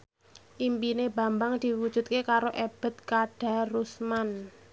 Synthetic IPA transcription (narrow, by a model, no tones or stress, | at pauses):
ʔimpineba̤mbaŋd̪̥i̤wud̥ʒ̥ṳt̪̚kekaɾoʔeb̥ə̤t̪̚kaɖ̥a̤rusman